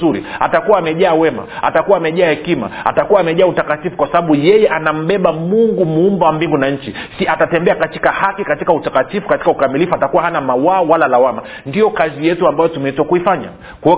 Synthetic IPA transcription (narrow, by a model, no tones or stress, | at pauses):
uɾḭa̰takuwaːmɛʄaːwɛma̰a̰takuwaːmɛʄaːhɛkima̰a̰takuwaːmɛʄaːutakatifu̥kwasaɓaɓujɛjɛʔanam̩ɓɛɓamuŋɡumuumbawambiŋɡunaɲt͡ʃisiatatɛmbɛakatikahakikatikautakatifukati̥kaukamilifuatakuwahanamawaːwalalawama | ndijɔkazijɛtuambajɔtumɛitwakuifaɲa̰ | kuɛ